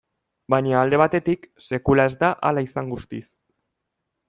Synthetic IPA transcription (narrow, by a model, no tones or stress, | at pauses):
baɲaːld̪e̞β̞at̪e̞t̪ikse̞kulae̞zd̪aʔalaisaŋɡust̪is